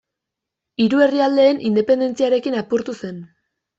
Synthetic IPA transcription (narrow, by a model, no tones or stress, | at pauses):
iɾue̞riald̪e̞ːnʔind̪e̞pe̞nd̪e̞nt͡siaɾe̞kinapuɾt̪use̞n